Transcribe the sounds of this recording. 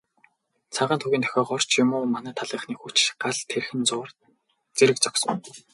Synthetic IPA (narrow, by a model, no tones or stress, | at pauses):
t͡sʰaʁaːnt̪ʰuɣʲiːnt̪ʰœ̥xʲɔːχɔr̥t͡ɕʰjʊmʊːmanæːt̪ʰaɮəːχniːxut͡ɕɢaɮt̪ʰerxɘ̆nt͡sʊːr | t͡seɾɘ̆k̚t͡sɔksə̆ŋ